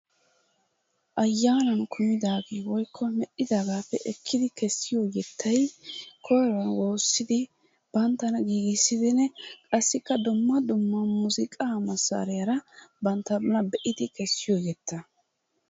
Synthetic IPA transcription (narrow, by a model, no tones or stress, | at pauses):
ʔɐjːaːnɐnkʰʊmɪd̪aːɡejwɔjkʰːɔmɛʔɪd̪aːɡaːpːɛʔɛkʰːɪd̪ɪkʰɛsːɪjoːjɛt̪ʰːɐjkʰɔjɾɐnwo̞ːsːɪd̪ɪ | b̥ɐnt̪ːɐnɐɡiːɡɪsːɪd̪ɪnːɛkʼɐsːɪkːɐd̪ʊmːɐd̪ʊmːɐmʊzɪkʼamɐsːa̰ːɾɛjɐɾɐbɐnt̪ːɐbɐnɐbɛʔɪd̪ɪkɛsːɪjoːjɛt̪ːɐ